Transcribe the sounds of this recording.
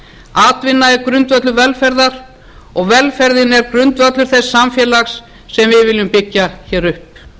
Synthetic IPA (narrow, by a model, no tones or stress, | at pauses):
aːt̪vɪnːaɛɾkɾʏnt̪vœt̪lʏvɛlfɛɾðaɾ̥ | ɔɣvɛlfɛɾðɪnɛɾkɾʏnt̪vœt̪lʏɾ̥θɛsːamfjɛːlaxsː | ɛmvɪðvɪːlːʏmpɪcːaçɛːɾʏhp